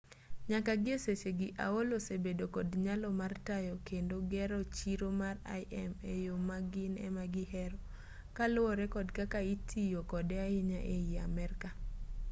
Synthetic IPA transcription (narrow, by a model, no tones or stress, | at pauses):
ɲakaɡɪeseseɡiʔa̰olosebedokɔdɲalɔmartajɔkendoɡɛɾɔt͡ʃiɾomara̰ɪʔɛmejomaɡɪnɛ̰maɡɪhɛɾɔ | kalooɾɛkɔdkakaitʰijokɔdɛaɪɲaʔeiamɛrka